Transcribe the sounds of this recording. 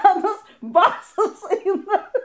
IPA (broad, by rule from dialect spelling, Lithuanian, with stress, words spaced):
ɐˈnɐs ˈbɑːsɐs ˈɐɪnɐ